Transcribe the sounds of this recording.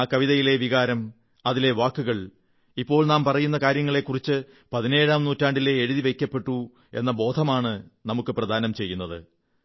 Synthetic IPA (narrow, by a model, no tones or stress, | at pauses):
kɐʋiðɐjile̞ʋiɣaːɾɐm | ɐðile̞ʋaːkːuɣɐɭ | ipːo̞ːɭnaːmpɐrɐjun̪ːɐkaːɾjɐŋːɐɭe̞kːurit͡ɕːɨ | pɐðine̞ːɻaːmnuːtːaːɳɖile̞ːɻuðiʋe̞jkʲːɐpːe̞ʈːu | e̞̰nːɐbo̞ːd̪ʱɐmaːɳɨnɐmukːɨprɐd̪ʱaːnɐmt͡ɕe̞jːunːɐðɨ̰